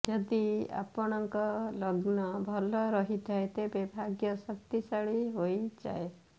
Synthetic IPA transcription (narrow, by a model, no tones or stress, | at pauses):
d͡ʒɔd̪ia̰pɔɽ̃ɔŋkɔlɔɡnɔbʱɔlɔɾɔɦit̪ʰaet̪ebebʱaɡjɔsɔk̚t̪isaɭiɦojd͡ʒa̰e